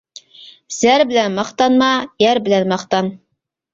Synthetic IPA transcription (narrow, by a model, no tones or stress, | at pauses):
z̥æɾbɘ̆lænmɑχt̪ɑnmɑjæɾbɘ̆lænmɑχt̪ɑn